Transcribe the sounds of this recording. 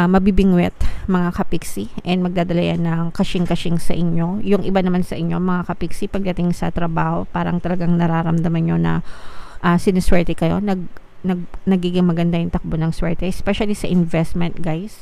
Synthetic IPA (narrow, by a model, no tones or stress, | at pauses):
mɐbibɪŋwɛt̪̚mɐŋakɐpiksiʔɛnd̪̚mɐɡ̚d̪aːd̪ɐlɐjanːɐŋkɐʃɪŋkɐʃɪŋsɐʔɪɲːo̞jʊŋʔɪbanɐmansɐʔɪɲːo̞mɐŋakɐpiksipɐɡ̚d̪ɐt̪ɪŋsɐ̰t̪ɾɐbaːho̞paːɾɐ̰ŋt̪ɐlɐɡaŋnɐɾaːɾɐmd̪ɐmanɲo̞nɐ̰ʔɐsɪnɛswɛɹt̪ɛkɐjo̞̰nɐɡ̚ | nɐɡ̚nɐɡiːɡɪŋmɐɡɐnd̪ajʊŋt̪ɐk̚bonɐŋswɛɹt̪ɛʔɛspɛʃɐlisɐʔɪnvɛst̪mɛnt̪̚ɡajs